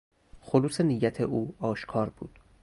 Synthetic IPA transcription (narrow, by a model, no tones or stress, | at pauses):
xoluːsenijæt̪ʰeʔuːɒːʃkʰɒːɾb̥ṵːd̪̥